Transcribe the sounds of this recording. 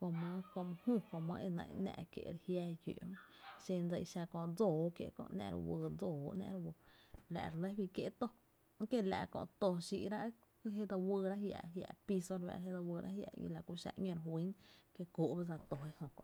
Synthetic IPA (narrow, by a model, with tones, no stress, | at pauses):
kõ˧mə̃˧ko˧m˧hũ˦˨kõ˧mə̰̃˧˦ʔe˧nã̰˧˨nã̰˧ʔkjḛ˧˨ʔɾe˧hjaː˧jṵ˨m̃˦ʃẽ˧nd͡zə˧˨i˧ʃa˧kõ˧d͡zoː˨kje˧˨kɔ̰̃˧ʔnã̰˧˨ɾ̰wəː˧d͡zoː˨nã̰˧ʔɾwə˧la̰˧˨ɾlə˦bi˧kje˧ʔt̪o˦˧˦ | kje˦la˧˨kɔ̰̃˧ʔt̪o˧ʃi˧ʔɾa˦ʔ | ɦe˦d̪o˧wɨː˧ɾa˦hja̰˧˨ɦja̰˧˨pi˧so˧ɾβa̰˧˨ɾɦe˦d̪o˧wɨː˧ɾʔa̰˦hja̰˧˨ɲḭ̃˧la˨ku˧ʃa̰˧ʔɲõ˧ɾɦwi˦nke˧ku˨ʔbe˦d͡za˧t̪o˨e˧hõ˧˨kɔ̰̃˧ʔ